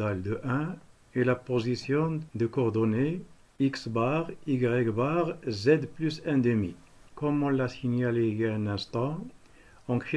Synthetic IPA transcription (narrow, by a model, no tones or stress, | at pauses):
ald̪əʔɛ̃ | elapozisjɔ̃d̪əkɔʁd̪ɔne | iksbaʁiɡʁɛkbaʁzɛd̪plysɛ̃d̪əmḭ | kɔmɔ̃lːasinjaleɛ̃nɛ̃st̪ɑ̃ | ɑ̃kχi